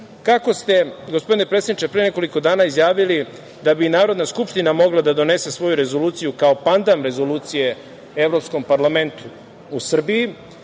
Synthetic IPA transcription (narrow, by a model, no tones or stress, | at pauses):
kako̞st̪e̞ɡo̞spo̞d̪inepɾet̪sed̪nit͡ʃe̞pɾene̞ko̞liko̞d̪aːnaizjaːʋili | d̪abinaːɾod̪naskupʃt̪inamo̞ɡlˠad̪ad̪o̞ne̞se̞sʋo̞juɾe̞zo̞luːt̪sijukaopand̪amɾe̞zo̞luːt̪sije̞ | evɾopsko̞mpaɾlame̞nt̪u | usr̩biji